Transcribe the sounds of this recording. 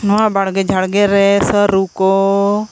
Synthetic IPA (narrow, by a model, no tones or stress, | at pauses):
nɔãbaɽɡed͡ʒʱaɽɡeɾɛsəɾuko